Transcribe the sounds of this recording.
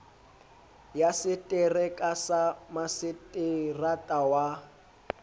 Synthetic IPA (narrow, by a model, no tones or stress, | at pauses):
jasɪtʼɪrɛkʼasamasɪtʼɪratʼawa